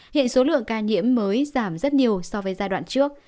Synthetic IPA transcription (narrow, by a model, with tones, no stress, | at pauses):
hḭ˧˨ənso˨˦lɨ̰˧˨əŋkaː˧ɲḭ˧˥əmːəː˨˦jzaː˧˩mzə˦˥t̚ɲi˨˩əwsɔ˧vəː˨˦jzaː˧jɗwa̰ː˧˨nt͡ɕɨ˦˥ək̚